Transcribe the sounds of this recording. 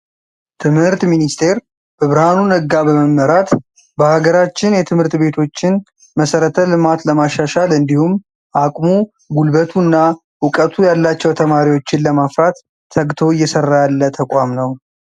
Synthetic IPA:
t̪ʰɨmhɨɾt̪minist̪ʰe̞ɾ | b̥əβɾhanunɨɡːabəməmːəɾat̪ | bəhaɡəɾat͡ʃːɪnjɛt̪ʰɨmhɨɾt̪be̞t̪ʰo̞t͡ʃːɪn | məsəɾət̪ʰəlɨmat̪ləmaʃaʃalɨnd̪ihum | ʔakʼmu | ɡulbət̪ʰunːa | wʊkʼət̪ʰujalːat͡ʃːɛwt̪ʰəmaɾiwo̞t͡ʃːɪnləmafɾat̪ʰː | əɡt̪ʰo̞ɪjːɛsərːajalːət̪ʰəkʷʼamnəw

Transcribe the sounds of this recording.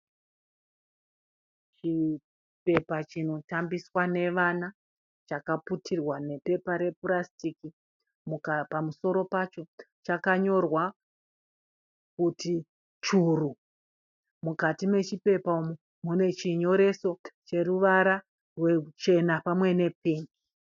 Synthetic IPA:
t͡ʃi | pe̞pat͡ʃino̞tambiswane̞ʋana | t͡ʃakaputʰirwane̞pe̞paɾe̞purastiki | mukapamuso̞ɾo̞pat͡ʃo̞ | t͡ʃakaɲo̞rwa | kuti | t͡ʃuru | mukatime̞t͡ʃipe̞paumu | mune̞t͡ʃiɲo̞ɾe̞so̞t͡ʃe̞ruʋaɾa | rwe̞t͡ʃe̞napamwe̞ne̞piːŋɡi

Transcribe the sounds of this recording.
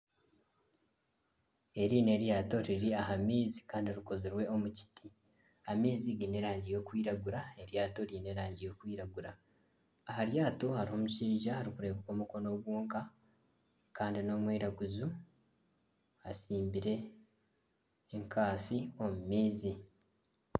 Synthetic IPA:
e̞ɾiːne̞ɾjaːto̞ɾiɾiaɦamiːzi̥kaːndioɾiko̞zeɾwe̞o̞muci̥tʰi | amiːziɡine̞ɾaːɲɟijo̞ːkwiːɾaɡuɾae̞ɾjaːto̞ɾine̞ɾaːɲɟijo̞kwiːɾaɡuɾaː | ɦaɾjaːtohaɾiho̞muʃiːʒahaɾikuɾe̞ːkoko̞ːmuko̞no̞ɡwuːŋka | kaːndino̞mwiːɾaɡuzu | asiːmbiɾe̞ | ŋkʰaːsio̞mumiːzi

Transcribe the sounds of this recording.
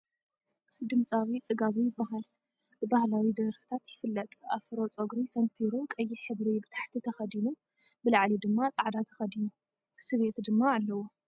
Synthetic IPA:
d̪ɨmt͡sʼaβit͡sʼɨɡaβijɪbːaɦal | b̥ɨbahlawid̪ɐɾfɨ̥t̪ʰat̪jɪfɨlːɐt̪ʼafɾot͡sʼoɡɾisɐnt̪ʰiɾukʼɐjːɪħɨβɾibɨt̪ʰḁħt̪ʰit̪ʰɐxɐd̪inu | bɨlaʕlid̪ɨmːat͡sʼaʕd̪at̪ʰɐ̥xɐd̪inu | sɨβe̞t̪d̪ɨmːaːlːɐwo

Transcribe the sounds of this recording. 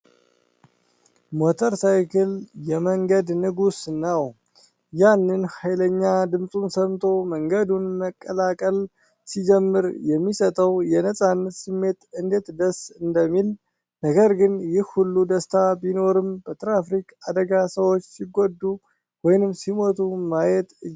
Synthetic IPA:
mot̪ʰəɾsajkʰɨljɛməŋɡəd̪nɨɡusnːaw | janːɨnhajləɲːad̪ɨmsʼunsəmt̪ʰʼo̞məŋɡəd̪unməkʼːəlakʼəl | sid͡ʒɛmːɨɾjɛmːisət̪ʼəwjɛnəsʼanːət̪sɨmːe̞t̪ɨnd̪et̪d̪əsɨnd̪əmːil | nəɡəɾɡɨnjɪhhulːud̪əst̪ʰabino̞ɾɨmbət̪ʰɨɾafɾikʼad̪əɡasəwot͡ʃːsiɡod̪ːu | wɔjnɨmsimo̞t̪ʰumajɛt̪

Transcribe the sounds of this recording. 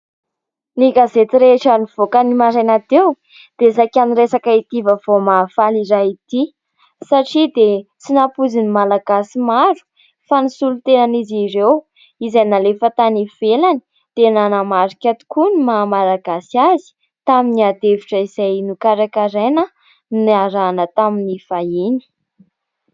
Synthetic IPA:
niɡazet̪iɾeʈ͡ʂəniv̥okənimaɾanat̪ew | d̪̥esakʲaniresakait̪ivəvomafaliɾait̪i | saʈ͡ʂid̪et͡sinapuzinimalaɡasimaɾu̥ | fanisulut̪enaniziɾew | izajnalefət̪aniv̥elani̥ | d̪̥enanamaɾikʲat̪u̥kunimamalaɡasiazi̥ | t̪aminiad̪eviʈ͡ʂəizajnukaɾakaɾenə | naɾanət̪aminifaini̥

